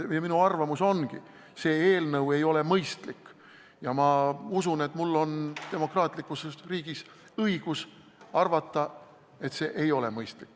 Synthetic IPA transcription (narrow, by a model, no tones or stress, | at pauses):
jɑminuɑrvɑmuso̞nɡḭ | se̞ːeːlnɤwe̞jo̞le̞mɤjst̪likː | jɑmɑusune̞t̪mulːo̞nt̪e̞mo̞krɑːt̪ˑlikːˑusesriːɡ̥is | ɤiɡ̥us | ɑrvɑt̪ːɑ | e̞t̪se̞ːʔe̞jo̞lemɤjst̪likː